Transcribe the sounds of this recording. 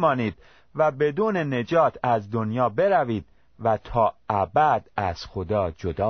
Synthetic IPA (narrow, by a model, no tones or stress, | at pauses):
mɒːniːd̪̥ | væbe̞d̪uːne̞ne̞d͡ʒɒːt̪ʰæzd̪onjɒːbe̞ɾæviːd̪̥̚ | væt̪ʰɒːʔæbæd̪̥æz̥xod̪ɒːd͡ʒod̪ɒː